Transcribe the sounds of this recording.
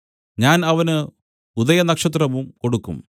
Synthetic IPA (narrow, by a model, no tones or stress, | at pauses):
ɲaːnɐʋɐnɨ | uðɐjɐnɐkʂɐt̪̬rɐʋumko̞ɽukːṵm